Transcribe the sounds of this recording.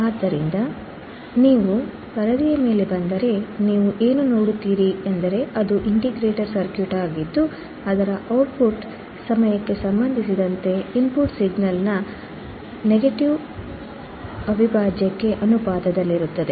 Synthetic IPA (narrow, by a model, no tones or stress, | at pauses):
aːd̪ːɐɾind̪ɐ | niːʋu | kɐɾɐd̪ijɐme̞ːle̞bɐnd̪ɐɾe̞niːʋuʔe̞ːnunoːɽut̪ːiːɾiend̪ɐɾe̞ɐd̪uʔiɳʈiɡɾeːʈɐɾsɐɾkjuʈaːɡid̪ːu | ɐd̪ɐɾɐʔɐwʈ̚puʈ | sɐmɐjɐkːe̞sɐmbɐnd̪ʱisid̪ɐnt̪e̞impuʈsiɡnɐlnɐ | neɡɐʈiʋ | ɐbʱibaːd͡ʒjɐkːe̞ʔɐnubaːd̪ɐd̪ɐlːiɾut̪ːɐd̪e